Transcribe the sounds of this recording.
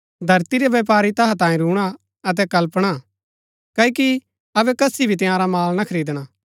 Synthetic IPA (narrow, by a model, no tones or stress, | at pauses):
d̪ʱɐɾt̪iɾeʋjeːp̬aːɾit̪ɐɦãt̪ãːĩɾuːɽ̃a | ɐt̪̬ɛkɐlpɽ̃a | kɐiki | ɐbɛkɐsibʱit̪ɪ̃jãːɾamaːlnakʰɐɾiːd̪ɽ̃aː